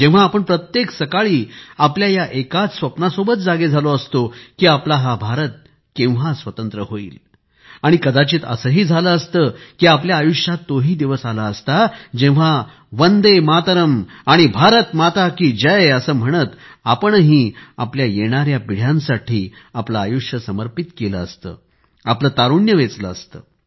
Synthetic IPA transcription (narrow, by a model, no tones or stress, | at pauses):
d͡ʑẽʋ̤aːpəɳpɾət̪jeksəkaɭiːapljajaʔekat͡ssʋəpnasobətt͡sd͡zaɡed͡zʱaloəst̪okiːaplaɦabʱaɾət̪̚ | kẽw̃ʋ̤asʋət̪ənt̪ɾəɦoḭːl | aɽ̃ikəd̪at͡ɕiːt̪ə̰səɦiːd͡zʱaləːst̪əːkiːapljaːjuʂjat̪ːoɦiːd̪iʋəsalaəst̪ad͡ʑẽʋ̤a | ʋənd̪emat̪əɾəmaɽ̃ibʱaɾət̪mat̪akiːd͡ʑəjəsəːm̤əɽ̃ət̪apəɳɦiːa̰pljajeɽ̃aɾjapiɽ̤jãnsaʈʰiːaplaːjuʂjəsəməɾpit̪keləəst̪ə̰ː | apləːt̪aɾuɳjəʋet͡sləəst̪ə̰ː